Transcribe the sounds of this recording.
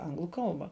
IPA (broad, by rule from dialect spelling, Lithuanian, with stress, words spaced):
ˈɐŋɡlˠʊ ˈkɐlˠbɑː